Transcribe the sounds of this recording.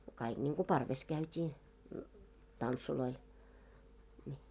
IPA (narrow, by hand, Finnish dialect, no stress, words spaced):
kɑiɡ̊ nʲiŋɡ̊u pɑrʋes kæytʲiː tɑntsuloil nʲi